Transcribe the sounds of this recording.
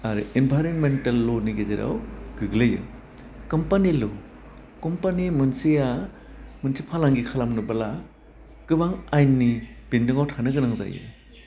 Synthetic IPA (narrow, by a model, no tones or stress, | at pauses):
aɾɯʔinbʱajɾonmentalːoniɡezeɾa̰wɡ̥ɯɡlɯjɯ̰ | kɔmpanilo | kɔmpanimɯnsia | munsipʰalaŋɡikʰalamnubala | kɯbaŋajnːib̥indɯŋawtʰanɯɡɯnaŋza̰jɯ̰